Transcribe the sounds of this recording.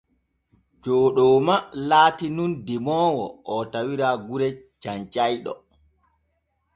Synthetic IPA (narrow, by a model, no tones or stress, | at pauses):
d͡ʒɔːɗɔːmalaːtinundɛmɔːwɔ̰ʔɔtawiɾaɡuɾɛ | t͡ʃaɲt͡ʃajɗɔ̰